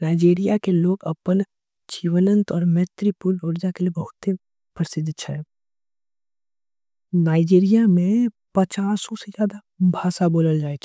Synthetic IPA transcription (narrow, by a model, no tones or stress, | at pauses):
naːɪd͡ʒiːɾijakeloːɡɐpən | d͡ʒiːʋənə̃nt̪ɔːɾmɛt̪ɾipuloːɾd͡ʒakelijebɐɦʊt̪ːe | pɾəsɪd̪t͡ʃʰɛ | naːɪd͡ʒiːɾijamẽ | pət͡ʃaːsõsed͡ʒjaːd̪a | bʱaːsaboːləld͡ʒaːet͡ʃʰ